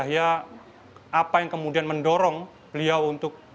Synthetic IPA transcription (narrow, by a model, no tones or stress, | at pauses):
aja | apajaŋkəmudianməndɔɾɔŋ | b̥əliawunt̪ʊk̚